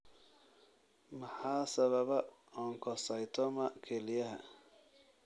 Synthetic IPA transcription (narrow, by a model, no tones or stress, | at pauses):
mɐħɑːsɐβɐβɐ | ɔːŋkʰɔsɐjt̪ʰɔmɐkʰɛlɪjɐɦɐ̰